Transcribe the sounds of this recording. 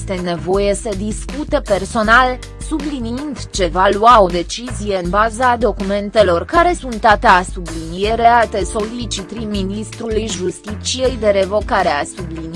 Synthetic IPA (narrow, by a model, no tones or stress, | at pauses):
st̪e̞ne̞vo̞je̞səd̪iskut̪e̞pe̞rso̞nal | subliniind̪t͡ʃe̞valuao̞d̪e̞t͡ʃizije̞ɨnbazad̪o̞kume̞nt̪e̞lo̞rkaɾe̞sunt̪at̪easublinije̞ɾe̞at̪eso̞lit͡ʃit̪ɾiminist̪ɾulujʒust̪it̪t͡ʃije̞jd̪e̞ɾe̞vo̞kaɾe̞asublin